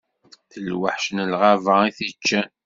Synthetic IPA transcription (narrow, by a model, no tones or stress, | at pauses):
θəlwəħʃənəlʁavaiθət͡ʃːæ